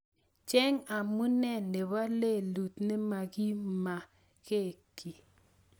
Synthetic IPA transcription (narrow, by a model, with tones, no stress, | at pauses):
t͡ʃɛ˦ŋa˨mu˦nɛ˦˨ne˨βa˦le˦˨lu˨tne˦ma˨ki˦ma˨ | ke˦˨ki˨